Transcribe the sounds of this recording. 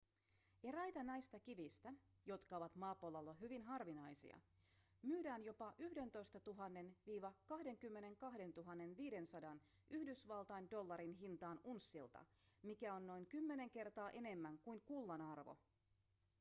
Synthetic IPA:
eɾæjt̪ɑnɑjst̪ɑkiʋist̪æ | jo̞t̪kɑo̞ʋɑt̪mɑːpolːɑlːoɦyʋinɦɑrʋinɑjsḭɑ̰ | myːdæːnjo̞pɑʔyhde̞nt̪o̞jst̪ɑt̪uɦɑnːe̞nʋiːʋɑkɑhde̞ŋkymːe̞ne̞ŋkɑhde̞nt̪uɦɑnːe̞nʋiːde̞nsɑdɑn | ʔyhdysʋɑlt̪ɑjndo̞lːɑɾinɦint̪ɑːnunsːilt̪ɑ̰mikæo̞nːo̞jŋkymːene̞ŋk̟e̞rt̪ɑːʔe̞ne̞mːæŋkujŋkulːɑnɑrʋo̰

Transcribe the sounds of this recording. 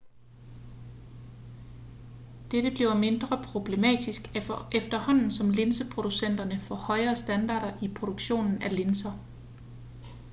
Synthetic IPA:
d̥ed̥əb̥liʊme̝nd̥ʁɐpʰʁo̝b̥le̝mɛ̰ːd̥isɡ̥efd̥ɐhɒ̽n̰n̩sɒ̽mle̝nsəpʰʁo̝d̥usen̰d̥ɐnəfɒ̽hɒ̽ɪɐːsd̥ænd̥ɑ̰̈ːɾɐʔipʰʁo̝d̥oɡ̥ɕo̝̰ːnn̩æle̝nsɐ

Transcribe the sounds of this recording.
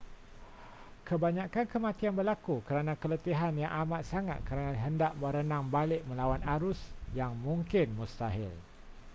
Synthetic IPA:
kəbaɲãkankəmãt̪ianbərlakukəɾanãkələt̪iɦanjaŋʔamat̪̚saŋa̰t̪̚kəɾanaɦəndaʔmə̃ɾənãŋbalɪʔmə̃lawanaɾʊsjaŋmũŋkɪnmũst̪aɦɪ̰l

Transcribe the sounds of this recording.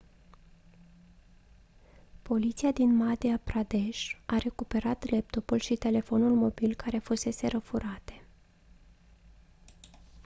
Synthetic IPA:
po̞lit̪siad̪inmad̪eapɾad̪e̞ʃaɾe̞kupe̞ɾat̪le̞p̚t̪o̞pulʃit̪e̞le̞fo̞nulmo̞bilkaɾe̞fuse̞se̞ɾəfuɾat̪e̞̥

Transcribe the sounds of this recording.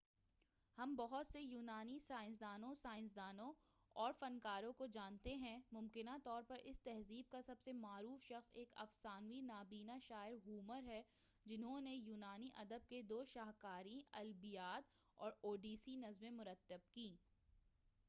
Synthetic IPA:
hɐmbɐɦʊt̪sejuːnaːnisaːɪ̃ns̬d̪aːnõsaːɪ̃ns̬d̪aːnõ | ɔːɾfɐnkaːɾõkod͡ʒaːnt̪eɦɛ̃mʊmkɪnat̪ɔːɾpɐɾʔɪst̪ɛɦziːb̚kasɐbsemaːɾuːfʃɐxseːkɐ̰fsaːnʋinaːbiːnaʃaːɪɾɦuːməɾɦɛ | d͡ʒɪnɦõnejuːnaːniʔɐd̪əb̚ked̪oːʃaːɦkaːɾĩɐlbijaːt̪ | ɔːɾoːɖiːsinɐzmẽmʊɾət̪ːəb̚kiː

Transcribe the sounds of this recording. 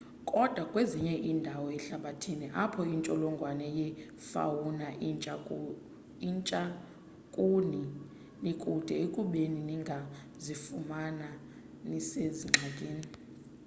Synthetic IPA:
kʼɔd̥ʱwakʼweziɲɛʔindʱawɔɛɬaɓatʰiniʔapʰɔint͡ʃʼɔlɔŋɡʱwanɛjɛ | fa̰wunaʔʼ | t͡ʃʼa | kʼuni | nikʼud̥ʱɛekʼuɓeniniŋɡʱa | zifumana | niseziŋ͡ǁʱakʼeːni

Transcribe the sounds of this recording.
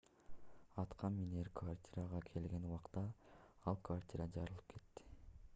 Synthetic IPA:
ɑt̪qʰɑnminerkʰvartʲiɾaʁɑkʰe̞lɡe̞nuwɑqt̪ɑɑlˠkvartʲiɾɑd͡ʒɑɾɯlˠɯp̚kʰe̞t̪ːi̥

